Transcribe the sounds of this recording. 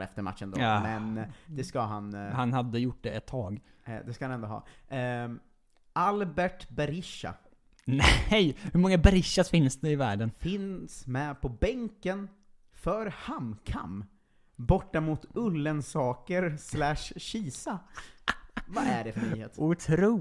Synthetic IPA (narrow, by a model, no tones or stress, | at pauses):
ɛ̰ft̪əɾma̰t̪ːʃənd̪omɛnd̪ɛskaɦanhanhad̪ːəjʊʈ̚ːd̪ɛɛt̪ʰːɑːɡd̪ɛskahanɛnd̪oɦɑ̰ː | ʔalbɛʈbɛɾɪʂa̰ | nɛɛjhɵɾmɔŋːabɛɾɪʂːasfɪnsd̪ɛɪvæːɖənfɪnsmɛpʰɔbɛŋkən | fœɾhamkʰa̰m | bɔʈːamut̪ɵlːənsɑːkəɾslæʂɕiːsa | vvaʔæɖɛfœnyːhḛːt̪ʊt̪ʰɾu